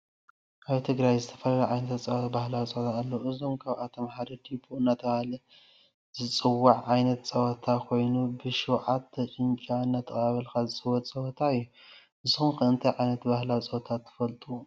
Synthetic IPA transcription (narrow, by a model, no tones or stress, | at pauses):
ʔaβt̪ʰɨɡɾajzɨt̪ʰɐ̥fɐlaliʕajnɐt̪t͡sʼɐw̪bahlat͡sʼot̪ʰaːlːɐɨzo̞mkʰaβat̪ʰomħaɾid̪ibʰoɨnːat̪ʰɐβahlɐ | zɨt͡sʼɨwːaʕʕajnɐt̪t͡sʼɐwɔt̪ʰakʰo̞jnubɨʃɨwʕat̪ːɐt͡ʃʼɨɲt͡ʃʼaɨnːat̪ʰːɨχʼaβɐlkazɨt͡sʼɨwɐt̪t͡sʼɐwɐt̪ʰaɨjːu | ʔɨzɨxumxɨɨnt̪ʰɐjʕajnɐt̪bahlat͡sʼɐwt̪ʰat̪ʰːɨ̥fɐlt̪ʼu